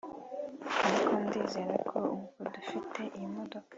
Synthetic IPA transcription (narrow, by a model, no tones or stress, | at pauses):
aɾikʰondiːze̞ːɾekʰouɡuɡudufitʰe̞ʔimodok